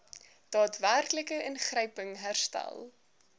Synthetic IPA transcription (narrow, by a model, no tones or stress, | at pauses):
d̥ɑːtværkləkəʔənχrəjpəŋɦærstæ̰lˠ